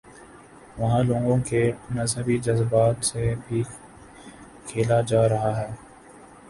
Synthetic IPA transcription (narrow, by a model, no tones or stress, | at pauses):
ʋɐɦãlõːŋɡõːkenəzɦəbid͡ʒəzbaːt̪sebʱi | kʰeːlad͡ʒaːɾɐɦaːɦɛː